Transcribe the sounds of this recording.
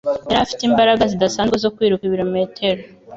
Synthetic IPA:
eɾafi̥teiːmbaɾaɡazidasaːnzɡwezo̞kwiːɾukiβiɾo̞meːtʰeɾo

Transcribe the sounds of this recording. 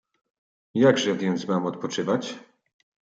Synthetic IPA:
jaɡʐɛvvʲjɛnt̪smamɔt̪̚pɔt͡ʂɘvat͡ɕ

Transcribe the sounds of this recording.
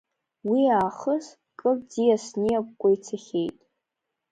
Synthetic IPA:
wiaːχəs | kʼɨrd͡zijasnijakʷkʷʼajt͡sʰaχʲejtʼ

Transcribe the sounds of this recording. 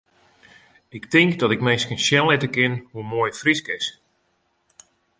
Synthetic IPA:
ɪktɪŋkdɔtɪkmejskənʃjɛnlɪtəkɪnhumoːjfriskɪs

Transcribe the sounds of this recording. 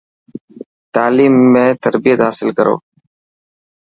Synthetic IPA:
t̪aːliːmːẽːt̪əɾbijət̪ɦaːsɪlkəɾʔo̰ː

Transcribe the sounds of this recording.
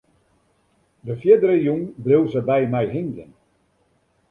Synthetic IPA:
dəfjɪdəɾəjuŋbɪwˠzəbɛjmɛjɦɪŋɡən

